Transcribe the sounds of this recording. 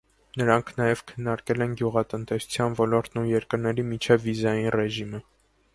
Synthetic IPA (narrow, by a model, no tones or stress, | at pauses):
nəɾɑŋkʰnɑjɛv̥kʰənːɑɾkɛlɛnɡjuʁɑt̪ənt̪ɛsu̥t͡sʰjɑnvɔlɔɾt̪nujɛɾkəɾnɛɾimit͡ʃʰɛvːizɑjinrɛʒimə